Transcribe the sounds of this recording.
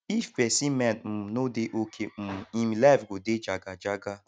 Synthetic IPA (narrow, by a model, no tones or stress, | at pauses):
ifpɛsimɛntm̩nodeʔokʰem̩imlafɡoded͡ʒaɡad͡ʒaɡa